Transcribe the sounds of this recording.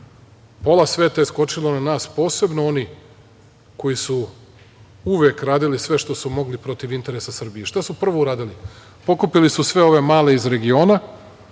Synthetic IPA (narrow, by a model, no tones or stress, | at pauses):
po̞lasʋe̞ːt̪ajesko̞t͡ʃilonanaːspo̞ːse̞bnoo̞ni | ko̞jisu | uʋekɾaːd̪ilisʋe̞ʃt̪o̞sumo̞ɡlipɾo̞t̪iʋint̪e̞ɾesasr̩bijeʃt̪asupr̩ʋo̞uɾaːd̪ili | po̞kupilisusʋe̞o̞ʋe̞maːle̞izɾe̞ɡio̞ːna